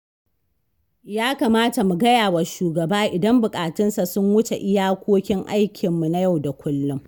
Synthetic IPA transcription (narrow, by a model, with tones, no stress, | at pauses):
jaː˦ka˨maː˦ta˨mu˨ɡɐ˦jaː˨wɐ˨ʃuː˨ɡɐ˨baː˦ʔɪ˨dɐ˦mbʊ˨kʼaː˨tɪ˦nsa˨sʊ˦ŋwʊ˦t͡ʃe˨ʔɪ˦jaː˦kʷoː˦kʲɪ˦ŋʔa˦jkʲʰɪ˨mːu˨na˦ja˦˨wda˨kʷʰʊ˦lːʊ˦m